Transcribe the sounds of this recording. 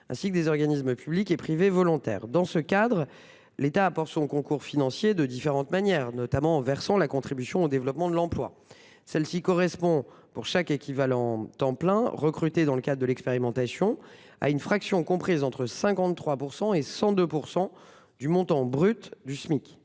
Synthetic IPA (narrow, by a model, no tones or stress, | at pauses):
ɛ̰̃sikəd̪ezɔʁɡanisməpyblikepχivevɔlɔ̃t̪ɛ̰ːʁd̪ɑ̃səkad̪ʁ | let̪aːpɔʁt̪sɔ̃kɔ̃kuʁfinɑ̃sjed̪əd̪ifeʁɑ̃t̪manjɛʁnɔt̪amɑ̃ːvɛʁsɑ̃lakɔ̃t̪χibysjɔ̃od̪evlɔpmɑ̃d̪əlɑ̃plwa̰ | sɛlsikɔʁɛspɔ̃ | puʁʃakekʲivalɑ̃t̪ɑ̃plɛ̃ʁəkχyt̪ed̪ɑ̃ləkad̪ʁəd̪əlɛkspeʁimɑ̃t̪asjɔ̃ | a̰ynfχaksjɔ̃kɔ̃pχizɑ̃t̪χəsɛ̃kɑ̃t̪t̪ːχwapuʁsɑ̃esɑ̃d̪øpuʁsɑ̃ | d̪ymɔ̃t̪ɑ̃bʁyt̪d̪ysmikʲ